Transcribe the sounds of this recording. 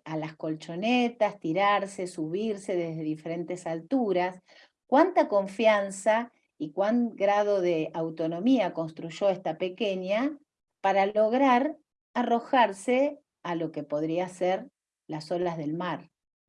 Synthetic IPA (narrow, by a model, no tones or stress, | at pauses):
alasko̞lt͡ʃo̞net̪ast̪iɾaɾse̞suβiɾse̞ðezðeðife̞ɾe̞nt̪esalt̪uɾas | kwant̪ako̞ɱfjansa | ikwaŋɡɾað̞o̞ðeawt̪o̞nõ̞miako̞nst̪ɾuʒo̞est̪apeke̞ɲa | paɾalo̞ɣɾaɾ | aro̞xaɾse | alo̞ke̞po̞ðɾiaseɾ | laso̞lazðe̞lmaɾ